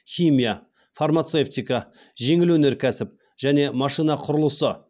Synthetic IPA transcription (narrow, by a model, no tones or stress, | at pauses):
xʲijmija | farmat̪seft̪ijkɑ | ʒe̞ŋɪlwɵne̞ɾkʲʰæsɪp̚ | ʒ̥æne̞mɑʃijnɑqʰʊɾʊlˠəsə